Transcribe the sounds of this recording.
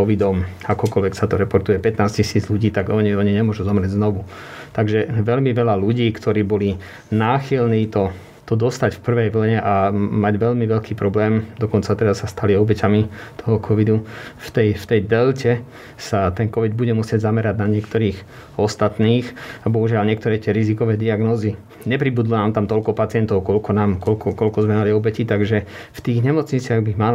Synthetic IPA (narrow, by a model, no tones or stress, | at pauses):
ɔʋid̪ɔmakɔkɔlʋɛksat̪ɔɾɛpɔɾt̪ujɛpɛt̪naːscisiːd͡zʎuɟiːt̪aɡɔɲiɔɲiɲɛmʊɔʒuzɔmɾɪɛɟznɔʋu | t̪aɡʒɛʋɛʎmiʋɛlaluɟiːkt̪ʰɔɾiːbɔli | naːxilniːt̪ɔ | t̪ɔd̪ɔst̪acfpr̩ʋɛjʋl̩ɲɛʔamaɟʋɛʎmiʋɛʎkiːpɾɔblɛːmd̪ɔkɔnt͡sat̪ɛɾasːast̪aliɔbɛcamit̪ʰɔɦɔkʰɔʋid̪uft̪ɛjft̪ɛjd̪ɛlcɛ | sat̪ɛnkɔʋid̪̚buɟɛmusɪɛɟzamɛɾaɟnaɲɪɛkt̪ɔɾiːx | ɔst̪at̪niːxabɔɦuʒɪalɲɪɛkt̪ɔɾɛːcɪɛɾizikɔʋɛːd̪iaɡnɔːzi | ɲɛp̬ɾibud̪lɔnaːmt̪amt̪ɔʎkɔpat͡sɪɛnt̪ɔʊkɔlkɔnaːmkɔlkɔkɔlkɔzmɛmaliɔbɛcit̪aɡʒɛ | ft̪iːɣɲɛmɔt͡sɲit͡sɪaɣbimal